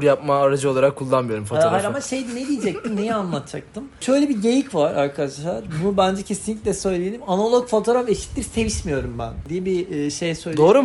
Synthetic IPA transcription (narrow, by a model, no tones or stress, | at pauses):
ɾjap̚maːɾad͡ʒɯo̞lˠaɾakʰːulˠːanmɯjo̞ɾumfoaaamaʃejd̪ned̪ijed͡ʒɛc̚t̪ʰimnijɛanlˠat̪ʰd͡ʒʰak̚t̪ʰɯmʃø̞jlʲɛbiɟejicvaɾaɾkʰad̪aʃlˠaɾbunubænd͡ʒɛcʰe̞sinlʲicʲlʲɛsø̞jlʲejed̪ʲimanalˠokfot̪ʰo̞ɾafeʃi̥t̪ːʲiɾse̞viʃmijo̞ɾumbæ̰nd̪ijɛbiːʃejsøjlʲd̪o̞ːɾu